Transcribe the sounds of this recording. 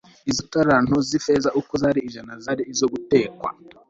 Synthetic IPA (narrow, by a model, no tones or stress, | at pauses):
izitaɾan̥ozifezaʔukozaːɾiːʒanazaːɾiizoɡute̞ːkwa̰